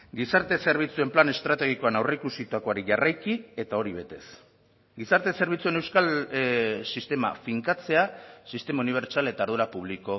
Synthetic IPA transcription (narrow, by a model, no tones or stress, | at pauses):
ɡisaɾt̪e̞se̞ɾβ̞it͡sue̞mplane̞st̪ɾat̪e̞ɣ̞iko̞anawre̞ikusit̪uako̞aɾiʝarajkie̞t̪ao̞ɾiβ̞e̞t̪e̞s | ɡisaɾt̪e̞se̞ɾβit͡sue̞ne̞wskal | sist̪e̞ma̰fiŋkat͡se̞asist̪e̞mauniβ̞e̞ɾt͡ʃale̞t̪aːɾð̞uɾapuβliko̞